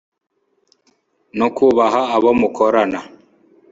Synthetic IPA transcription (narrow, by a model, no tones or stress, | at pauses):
nokuβaɦaːβomukʰɔɾana